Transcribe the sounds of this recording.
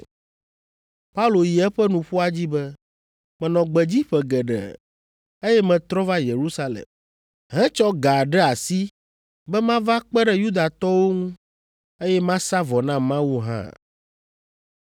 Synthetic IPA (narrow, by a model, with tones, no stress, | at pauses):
pa˦u˦lo˨ji˨ɛ˦ɸɛ˦nũ˨ɸu˦a˦d͡ʑi˦bɛ˦ | mɛ̃˨nɔ̃˨ɡ͡bɛ˨d͡ʑi˦ɸɛ˨ɡɛ˨ɖɛ̰˨ | e˦jɛ˦mɛ̃˨t̪ɾɔ̃˦va˦je˨ɾu˦sa˦lḛ˨m | ɦɛ̃˦t͡ʃɔ˦ɡa˨ɖɛ˦a˨si˦ | bɛ˦mã˦va˦k͡pɛ˦ɖɛ˦ju˦d̪a˨t̪ɔ˦wo˦ŋũ˦ | e˦jɛ˦mã˦sa˦vɔ˨nã˦mã˦wu˦ɦã̰˦